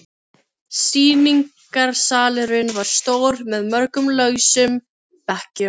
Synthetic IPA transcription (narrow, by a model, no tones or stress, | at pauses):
siːniŋk | aɾ̥saːlʏɾʏnvaɾ̥st̪oːwɾmɛðmœɾkʏmlœːɥsʏm | pɛhcɪ